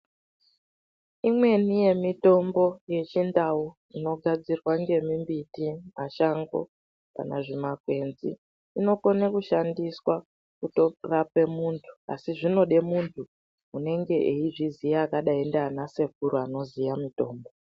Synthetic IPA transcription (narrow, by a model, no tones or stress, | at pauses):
imwe̞nije̞mito̞mbo̞je̞t͡ʃindau | ino̞ɡʱad͡zirwaŋɡe̞mimbitimaʃaŋɡo̞̰ | pa̰na̰ʐimakwe̞nzḭ | ino̞konakuʃandiswa | kuto̞rape̞muːntʰu̥a̰siʐino̞ɗe̞muntʰu | une̞ŋɡe̞ʔeiʐizijaːkaɗaendaːnase̞kuɾoano̞zijamito̞ːmbo̞